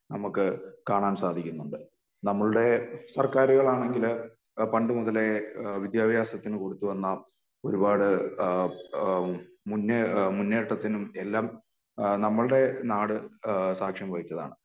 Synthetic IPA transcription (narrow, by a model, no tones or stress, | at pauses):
nɐmukːɨkaːɳaːnsaːd̪ʱikʲːunːuɳɖɨ | nɐmːɐɭuɽe̞sɐrkaːɾuɣɐɭaːɳe̞ŋɡil | pɐɳɖɨmuðɐle̞ʋid̪jaːbʱjaːsɐt̪ːinɨko̞ɽut̪ːuʋɐnːɐ | o̞ɾubaːɽɨ | munːɨmunːeːʈːɐt̪ːinume̞lːaːm | nɐmːɐɭɨɽe̞naːɽɨsaːkʂjɐmʋɐɻit͡ɕːɐða̰ːɳɨ